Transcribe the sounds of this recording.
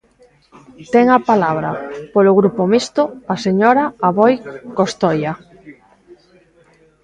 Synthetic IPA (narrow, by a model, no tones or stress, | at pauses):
t̪ɛŋapalaβ̞ɾa̰polʊɣɾupomist̪ʊaseɲoɾaaβojkost̪ɔja